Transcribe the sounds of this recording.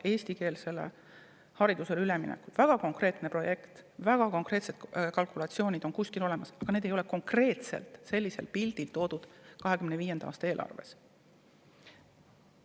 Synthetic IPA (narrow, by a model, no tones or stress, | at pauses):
e̞ːsʲt̪ike̞ːlse̞le̞̰ | hɑɾid̪use̞lylemḭnḛkːulvæɡ̥ɑko̞ŋkre̞ːt̪ˑnepro̞je̞kt̪væɡ̥ɑko̞ŋkre̞ːt̪se̞d̪kɑlkˑulɑt̪sio̞ːnʲid̪̥o̞nkusʲkilo̞le̞mɑsɑɡ̥ɑned̪̥e̞jo̞leko̞ŋkre̞ːt̪se̞̰lt̪se̞lʲːise̞lpild̪̥ilt̪o̞ːd̪̥ud̪̥kɑɦe̞kymneviːje̞nd̪ɑɑ̰ːst̪ɑe̞ːlʔɑ̰rve̞̰s